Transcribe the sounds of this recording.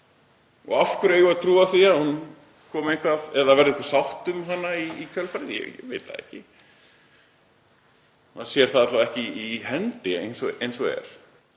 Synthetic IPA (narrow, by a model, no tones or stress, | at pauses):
ɔ̰ɣafkʏɾeːjɣʏaðt̪ʰɾuːaθiahun | kʰɔːmehkʰvaðɛðavɛɾðɪekfvḁsawht̪ʏmɦanːaiicʰœlfaɾɪðjɛ̰jɛ̰vḛːt̪a̰ðɛ̰hcɪ | maðsjɛɾ̥θaðatlavɛhcɪihɛnt̪ɪejnsɔʔejnsɔɣɛ̰ɾ̥